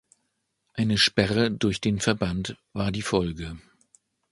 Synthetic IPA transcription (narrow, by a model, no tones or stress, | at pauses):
ʔaɪnəʃpɛʁədʊɐçd̥eːnfɛɐbant | v̥aːɐdiːfɔlɡə